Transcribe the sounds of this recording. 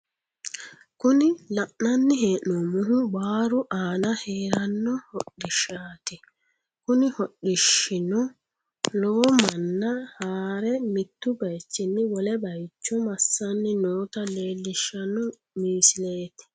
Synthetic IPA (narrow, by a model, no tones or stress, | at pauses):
kʊnɪlɐʔnɐnːɪheːʔnɔmʊɦʊbaːɾʊʔaːnɐheːɾɐnːɔhɔɗːɪʃːaːt̪ɪ | kʊnɪhɔɗːɪʃːɪnɔ | loːmɐnːɐhaːɾɛmɪt̪ːʊbɐjt͡ʃːɪnːɪwɔlɛbɐjt͡ʃːɔmɐsːɐnːɪnoːt̪ɐleːlːɪʃːɐnɔ | miːsɪleːt̪ɪ̥